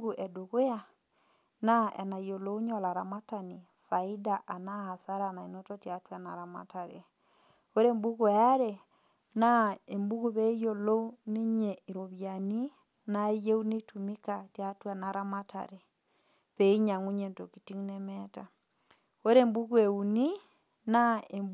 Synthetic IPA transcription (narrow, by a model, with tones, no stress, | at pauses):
ɡu˨ʔɛ˨doɣo˦ja˦ | na˦ʔɛ̰˨na˨ijo˨lo˦u˦ɲɔla˨ɾama˦tani˨ | fai˦daʔa˨na˦ha˨sa˦ɾana˨e˨nɔtɔtjatwana˨ɾa˨ma̰taɾe | o˦ɾembu˦ɣu˦˨a˦ɾe | na˦e˨mbu˦ɣuβɛ˦i˦jo˨lo˦u˦ne˦ɲɛi˨ɾoβjani˦ | naje˦u˦ne˦tumikatjatwanaɾamata̰ɾe | βɛ˨i˦ɲa˨ŋu˦ɲento˨kiti˦ŋnɛmɛta | oɾembu˦ɣwe˨uni˦ | naem